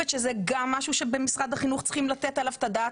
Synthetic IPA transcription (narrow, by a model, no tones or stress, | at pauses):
et̪ʃezeɡamːaʃuʃebemisʁad̪haχinuχt͡sχimlat̪et̪alavt̪ad̪a